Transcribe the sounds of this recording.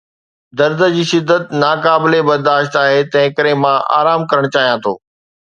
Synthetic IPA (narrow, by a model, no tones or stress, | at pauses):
d̪ɐɾd̪ʱəd͡ʑiːʃɪd̪ːət̪naːkaːbɪlebɐɾd̪aːʃt̪aːɦet̪ɐ̃ɦɪ̃kəɾemãʔa̰ːɾaːmkɐɾəɽ̃t͡ɕaːɦijãt̪ʰo̰ː